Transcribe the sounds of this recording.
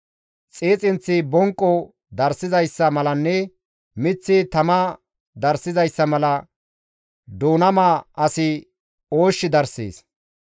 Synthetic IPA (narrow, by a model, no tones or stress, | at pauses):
t͡sʼeːt͡sʼɪnt͡sːɪbɔŋkʼːɔ | d̪ɐɾsɪzɐjsːɐmɐlɐnːɛ | mɪt͡sːɪt̪ɐmɐ | d̪ɐɾsɪzɐjsːɐmɐlɐ | d̪oːnɐmaːɐsɪ | o̞ːʃːɪd̪ɐɾsḛːs